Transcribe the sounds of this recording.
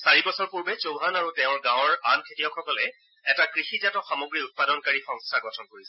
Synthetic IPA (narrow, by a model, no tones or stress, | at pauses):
saɹibɔsɔɹpuɹbɛzoʊɦanaɹutɛʊ̃ɹɡãwɹankʰetijɔkʰɔkɔlɛ | ɛtakɹixizatɔxamoɡɹiut̚padɔnkaɹixɔ̃ŋstʰaɡɔtʰɔnkoɹisɛ